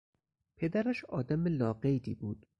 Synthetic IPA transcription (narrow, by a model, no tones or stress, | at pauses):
pʰed̪æɾæʃɒːd̪æmelɒːɢejd̪iːbuːd̪̥